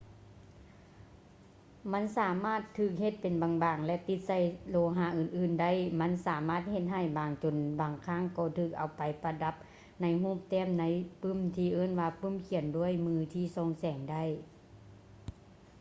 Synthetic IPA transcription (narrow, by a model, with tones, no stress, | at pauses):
ma˧˥˨nsaː˨˦maː˧˥˩t̪ʰːɯː˧˩k̚he˧˦t̪̚pe˨nbaː˨ŋbaː˨˩ŋlɛ˧˥t̪i˧˦t̪̚sa˧˩jloː˧ɦaː˧˩˨ʔɯː˨nʔɯː˧˩nda˥˨jma˧˥˨nsaː˨˦maː˧˥˩t̪̚he˧t̪̚ɦa˧˥˩jbaː˨ŋt͡ɕo˨nbaː˨˩ŋkʰaː˧˥˨ŋkɔː˧˩t̪ʰɯː˧˩k̚ʔa˨˩wpa˨jpa˧da˧˦˥p̚ | na˧˥jɦuː˥˨p̚t̪ɛː˧˥˨mna˧˥jpɯ˧˥˨mt̪ʰiː˧ʔɤː˧˥˨nwaː˧pɯ˧˥˨mkʰi˨˧˦əndu˧˥˨əjmɯː˧t̪ʰiː˧˩sɔː˧˥˨ŋsɛː˨˦ŋda˧˥˨j